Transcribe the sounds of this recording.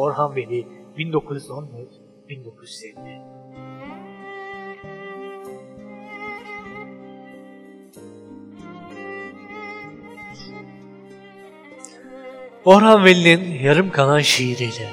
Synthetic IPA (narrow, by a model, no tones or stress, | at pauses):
oɾɦanvelʲibind̪o̞kʰuzyzonjɛz | b̥ind̪o̞kʰuzy̥zɛmːi | oɾɦanvelʲininjaɾɯmkʰalˠanʃeiɾijlʲɛ